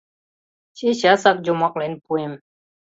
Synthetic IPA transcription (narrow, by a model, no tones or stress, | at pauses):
t͡ʃiɕasak̚d͡ʒumɔk̚lanpuɪm